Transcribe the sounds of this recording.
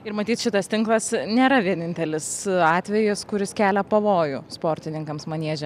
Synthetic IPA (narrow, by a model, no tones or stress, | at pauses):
ɪɾmɐt̪ʲiːt̪ʃʲɪt̪ɐst̪ʲɪŋklˠɐsnʲeːɾɐʋʲiɛnʲɪnʲt̪ʲɛlʲɪsɑːt̪ʲʋʲɛjɪskʊɾʲɪskʲæːlʲɛpɐʋoːjʊspoːɾʲt̪ʲɪnʲɪŋkɐmsmɐnʲiɛʒʲɛm